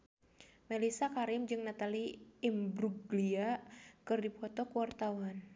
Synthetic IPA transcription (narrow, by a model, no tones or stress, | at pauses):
melisakaɾɪmd͡ʒɨŋnat̪aliːmbɾuɡliakɨrdipɔt̪ɔkuwart̪awan